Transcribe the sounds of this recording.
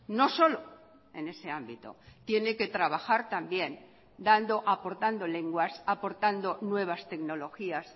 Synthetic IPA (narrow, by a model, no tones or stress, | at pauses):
no̞so̞lo̞ | e̞ne̞se̞ambit̪o̰t̪je̞ne̞ke̞t̪ɾaβaxaɾt̪ambje̞n | d̪and̪o̞ʔapo̞ɾt̪and̪o̞le̞ŋɡwasapo̞ɾt̪and̪o̞nwe̞β̞ast̪e̞kno̞lo̞xias